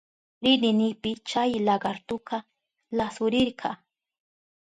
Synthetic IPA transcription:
ɾɪnɪnɪpɪt͡ʃajlɑɢɑɾt̪ʊqɑ | lasʊɾɪɾɢʰɑ

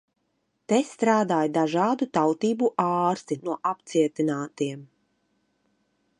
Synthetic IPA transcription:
t̪est̪ɾaːd̪aːjd̪aʒɑːd̪ut̪awt̪iːbuʔɑːɾst̪inuɔʔapt̪siɛt̪inaːt̪iɛm

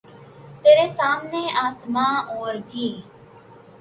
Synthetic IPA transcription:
t̪eːɾeːsaːmneːʔaːsmãːoːɾɡiː

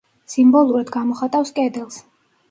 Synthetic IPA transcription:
simbɔlˠuɾad̪ɡamɔχat̪ʼafskʼɛd̪ɛlˠs

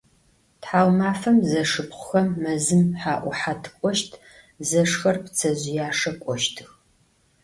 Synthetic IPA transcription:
tħaːwmaːfɐmzɐʂɨpqʷʊxɐmːɐzɨmħaːʔʷʊħatʰɨkʷʼɔʃtʰ | zɐʂxɐrpt͡sʰɐʑɪjaːʂɐkʷʼɔʃtʰɨx

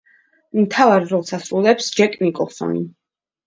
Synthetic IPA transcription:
mt̪ʰavaɾɾɔlˠsasɾulˠɛpsd͡ʒɛkʼnikʼɔlˠsɔ̰nḭ

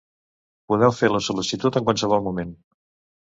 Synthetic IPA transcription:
puðɛwfeɾləsulisit̪ut̪əŋkwalˠsəβ̞ɔlˠmumen

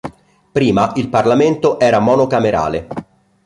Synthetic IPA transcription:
pɾiːmaʔilparlament̪oʔɛːɾamɔːnokameɾa̰ːle

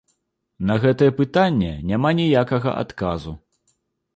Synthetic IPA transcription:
nɐɣɛt̪ɐjɛpɨt̪anʲːɛnʲamanʲijakɐɣɐ̰ʔa̰t̪kazu

